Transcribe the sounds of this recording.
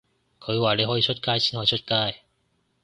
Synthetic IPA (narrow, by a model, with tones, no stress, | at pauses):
kʰɵ˨˧ɥwaː˨˩le˨˧jɦɔː˨˥jiː˨˧t͡ʃʰɵ˥t̚kaː˥jsʰiː˥nhɔː˧˩˨t͡ʃʰɵ˥t̚kaː˥j